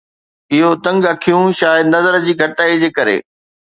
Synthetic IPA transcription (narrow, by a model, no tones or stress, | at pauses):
ɪɦot̪ɐ̃ŋɡɐkʰijũʃaːjəd̪nɐzəɾd͡ʑiːɡʱɐʈaːid͡ʑeːkɐɾḛː